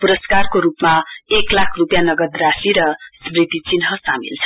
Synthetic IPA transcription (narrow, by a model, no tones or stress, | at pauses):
puɾʌskarkoɾupmaeklakʰrupjanʌɡʌd̪rasiɾʌsmrid̪it͡sinɦʌsamḭlt͡sʰʌ̥